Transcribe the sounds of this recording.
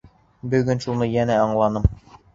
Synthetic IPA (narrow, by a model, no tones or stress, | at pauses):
bɵ̆ɡɵnʃunɤjænæɑɴlˠɑnɤm